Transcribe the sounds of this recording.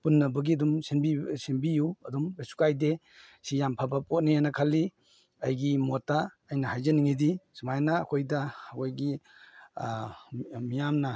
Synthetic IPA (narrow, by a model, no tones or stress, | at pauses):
punːɐbɐɡiɐdumsenbisembijuɐdumbesu̥kajde | sijampʰabapot̚nijanɐkʰalːi | ɐjɡimotaː | jnɐhajzɐniŋidisumajnɐːkʰojdɐkojɡi | mijamnɐ